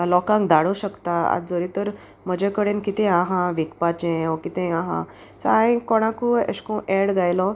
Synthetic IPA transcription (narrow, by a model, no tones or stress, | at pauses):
lɔkãŋkd̪aɽuɕəkt̪aa̰t̪d͡zoɾit̪əɾ | m̤əd͡ʑekəɽenkit̪ẽaɦãʋikpat͡ɕẽɔkit̪ẽaɦã̰ | saaĩkɔɽ̃ãkuə̰ɕkõʔɛɽɡajlɔ